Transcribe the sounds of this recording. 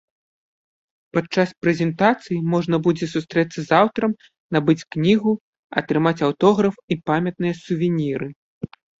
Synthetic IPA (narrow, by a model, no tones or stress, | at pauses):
pat͡ʂːaspɾɛzʲɛnt̪at̪sɨjimɔʐnɐbud͡zʲɛsust̪ɾɛt̪sːɐzawt̪ɾɐm | nabɨt͡sʲknʲiɣu | ɐ̰t̪ɾɨmat͡sʲawt̪ɔɣɾɐfipamʲɐt̪̚nɨjɐsuvʲinʲiɾɨ